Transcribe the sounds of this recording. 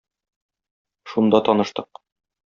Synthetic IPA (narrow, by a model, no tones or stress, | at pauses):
ʃund̪ɑt̪ɒnɤ̆ʃt̪ɤq